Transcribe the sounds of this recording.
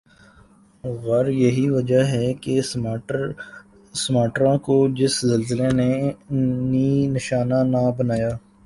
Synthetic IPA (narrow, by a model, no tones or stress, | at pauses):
ɣɐɾjɐɦiʋɐd͡ʒəɦɛke | smaːʈɾãkod͡ʒɪszɐlzɪlene | niːnɪʃaːnanabɐnaːjaː